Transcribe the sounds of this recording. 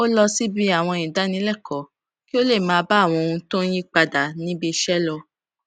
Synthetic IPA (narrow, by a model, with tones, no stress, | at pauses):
o˦lɔ˧si˦bi˦a˦˨w̃ɔ̃˧ĩ˨da˨˦nĩ˨˦lɛ˦˨kɔ˨˦ | ki˦o˦le˦˨mãː˨˦ba˦˨w̃ɔ̃˧o˧ũ˧tõ˦jĩ˦k͡pa˧da˨nĩ˦bi˧ʃɛ˦lɔ˧